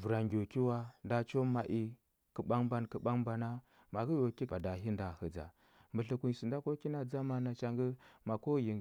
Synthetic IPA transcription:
vu˨ɾa˨ŋɡʲo˨ki˦wa˦nda˦t͡ʃo˦ma˨ʔi˦ | kə˨ɓa˦ŋba˦nkə˨ɓa˦ŋba˨na˦ | ma˨ɡə˦jo˨ki˦a˨da˨ɦi˦nda˨hə˨d͡za̰˨ | mbə˨ɬi˨ku˨si˨nda˦ko˦ki˦na˦d͡za˦ma˨na˨t͡ʃa˦ŋɡə˦ma˨ko˦ji˨

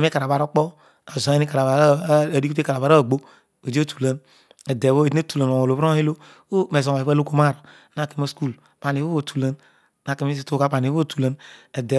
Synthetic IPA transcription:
me˦ka˨ɾa˨βa˨ɾo˦k͡pɔ˦ | a˨zo˨˦e˦ni˦ka˨ɾa˨βa˨ɾɾi˦ku˦e˦ka˨ɾa˨βa˨ɾa˦˨ɡ͡bo˦ | o˨d͡ʒtu̥˨la˨˦n | ɛ˨de˨βo˦e˨tne˦tu˨la˨n˨o˨o˨lo˨βɾo˦he˦lo˦ | me˨zo˨βa˦lo˦ko˦ma˦˨ɾa˨˦na˦˨ki˨mo˦sku˦˨lpa˨n˨i˨˦o˦o˨tʰu˨la˦n | na˨ke˨mi˦si˦to˦˨ka˦pa˨ni˨˦o˦˨tu˨la˦nɛ˨dɛ˨

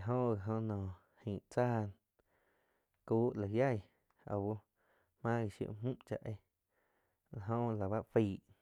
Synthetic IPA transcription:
ɦõ˦ʔɣi˨ɦõ˧nɔ̃ː˨ | hĩː˨ʔt͡saː˦˨n | kuː˦ʔla˨ja˦˨j | a̰˨wu˦ | mã˦ɣi˨ʃjṵ˧ʔm̥ũ˦ʔt͡ʃa̰˧ʔe˧ | la˨ɦõ˦ʔla˨βa˦ʔfiː˧˨ʔ

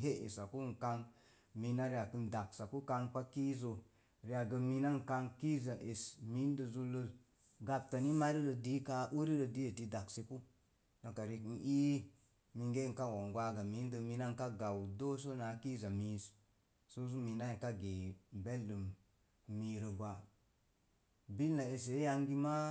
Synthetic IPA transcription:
ɦe˦ʔḛ˨sa˨ku˦ŋ̩˨ka˧ŋ | mi˧na˦ɾi˦a˨kɨ˧nda˨ksa˨ku˦ka˧ŋk͡pa˦ki˦zo˨ | ɾi˧˦a˨ɡə˧mi˧na˦ŋ˨ka˧ŋki˦za˨ʔe˨smi˦n˦də˧zu˧lə˦ | ɡa˧p̚ta˨ni˦ma˦ɾi˦ɾə˨˧di˦ka˧ʔu˦ɾi˦ɾə˧di˦e˨ti˧da˨ksi˧ku˦ | no˨ka˨ɾi˧˨kn̩˨i˦ | mi˧ŋɡe˦˨ŋ˨ka˦wo˨ŋɡʷa˦ɡa˨mi˨˦ndə˧mi˧na˦ŋka˦ɡa˨wdo˦so˦na˨˦ki˦za˨mi˨˦s | so˦s̬u˦mi˨na˦e˨ka˦ɡe˨be˦lːə˨m | mi˧ɾə˨ɡʷa˨ | bi˦lna˨e˨s̬e˨˦ja˧ŋɡi˦ma˦

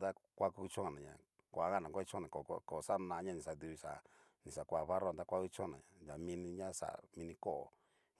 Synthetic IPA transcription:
d̪a˦kʷa˦ku˦˧t͡ʃõ˦˨nã˨ɲã̰˨ | kʷa˨˦ɣa˦nã˨kʷi˦t͡ʃõ˦˧nã˨ko˨˧ko˨sa˦˧nã˧˦ɲã˦nĩ˨sa˨d̪u˧βi˧sa˨ | nĩ˨sa˨kʷa˧˨βa˦ɾo˦˨d̪a˦kʷa˦ku˦t͡ʃõ˦˨nã˨ã˨ja˨mĩ˧nĩ˧ɲã˦sa̰˨mĩ˧nĩ˧ko˦ʔo̰˨

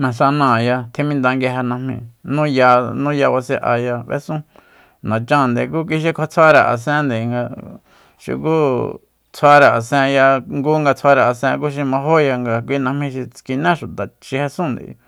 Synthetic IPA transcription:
mã˨s̬a˧nã˨ja˧t̪ʰĩ˧mĩ˦nd̪a˧ŋɡe˧ɦa˧nã˧hmḭ̃˧nũ˦ja˧nũ˦ja˧βa˧se˧ʔa̰˧ja˧βḛ˦sũ˦ | nã˨t͡ʃã˧˨nd̪e˨k̬uː˦k̬i˧ʃ̬i˦kʷʰa˧t͡sʰa˦ɾa˧˨ʔa̰˨sẽ˦nd̪e˨˧ŋɡa˧ | ʃḭ˧ku˦ | t͡sʰa˧˦ɾa˨a˨sẽ˧ja˧ŋɡu˦ŋɡa˧t͡sʰʷa˧ɾa˨a˨sẽ˧ku˦ʃ̬i˧mã˧ɦo˦ja˧ŋɡa˧k̬ʷi˧nã˧hmĩ˧ʃi˧t͡ski˧nẽ˦ʃu˨t̪a˨t͡ʃi˧he˧sũ˦nd̪ḭ˨˧

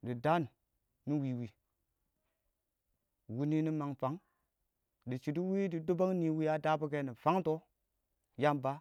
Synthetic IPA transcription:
di˨da˦n˨ | ni˦wi˨wi˨ | wu˦ni˦ni˦ma˨ŋfa˨˦ŋ | di˨t͡ʃi˨di˦wi˦di˨do˦ba˦ŋni˨wi˦ja˦da˦bu˦ke˦ni˨fa˦ŋto˦ | ja˦mba˦

